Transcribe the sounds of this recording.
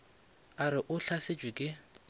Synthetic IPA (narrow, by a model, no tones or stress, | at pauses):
aɾɪʔʊɬaset͡ʃʼwɪkʼɪ